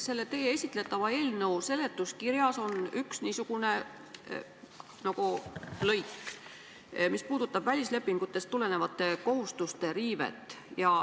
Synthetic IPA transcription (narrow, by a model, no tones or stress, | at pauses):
se̞lːe̞t̪eːjeesʲit̪ˑle̞t̪ːˑɑvɑe̞ːlnɤwse̞le̞t̪ːˑuskiɾjɑso̞nyksniːsuɡ̥une̞ | nɑɡ̥ulɤjkː | mispuːd̪̥ut̪ːˑɑb̥vælʲisle̞pːiŋɡ̥ut̪ːˑe̞st̪ːule̞ne̞vɑt̪ːˑe̞ko̞ɦust̪ust̪e̞ɾiːve̞̰t̪ːˑ | jɑ